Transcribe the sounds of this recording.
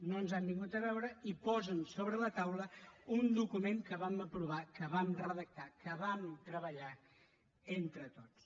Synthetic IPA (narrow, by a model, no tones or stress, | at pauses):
nonzɛmbiŋɡut̪əβɛwɾəipɔzənsoβɾələt̪awləund̪ukumeŋkəβaməpɾuβ̞akəβamrəðək̚t̪akəβamt̪ɾəβəʎa | ent̪ɾət̪ot͡s